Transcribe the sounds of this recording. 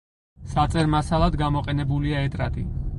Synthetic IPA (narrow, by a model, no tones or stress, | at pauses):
sat̪sʼɛɾmasalˠad̪ɡamɔqʼɛnɛbuliaɛt̪ʼɾa̰t̪ʼḭ